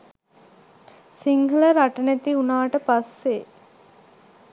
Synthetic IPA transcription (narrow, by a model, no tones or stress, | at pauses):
siŋɡɐləɾaʈənet̪iunaːʈəpasːe